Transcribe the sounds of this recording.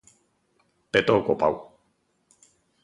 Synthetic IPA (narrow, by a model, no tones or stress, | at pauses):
pet̪okopa̰w